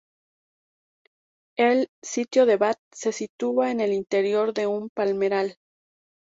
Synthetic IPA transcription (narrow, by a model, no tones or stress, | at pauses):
elsit̪jo̞ðe̞βat̪̚se̞sit̪uaene̞lint̪e̞ɾjo̞ɾðe̞umpalme̞ɾal